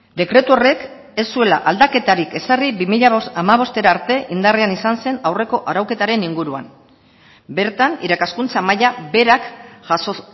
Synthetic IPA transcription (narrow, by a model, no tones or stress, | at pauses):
d̪e̞kɾe̞t̪uore̞k | e̞sːue̞la̰ʔald̪ake̞t̪aɾike̞saribimiʎaamaβ̞o̞st̪e̞ɾaːɾt̪e̞ʔind̪areanisanse̞nawre̞ko̞ʔaɾawke̞t̪aɾe̞niŋɡuɾua̰m | be̞ɾt̪aniɾakaskunt͡samajabe̞ɾakʝso